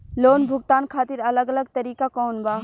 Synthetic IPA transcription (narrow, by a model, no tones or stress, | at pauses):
loːnbʱʊɡt̪aːnkʰaːt̪ɪɾɐləɡɐləɡ̚t̪ɐɾiːkakoːnbaː